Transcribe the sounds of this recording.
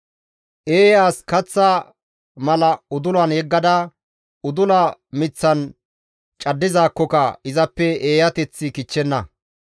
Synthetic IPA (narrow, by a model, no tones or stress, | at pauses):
ʔeːjaːskɐt͡sːa | mɐlɐʊd̪ʊlwɐnjɛɡːɐd̪ɐ | ʊd̪ʊlɐmɪt͡sːɐn | t͡ʃʼɐd̪ːɪzaːkːɔkɐɪzɐpːɛeːjɐt̪ɛt͡sːɪkɪt͡ʃːɛnːɐ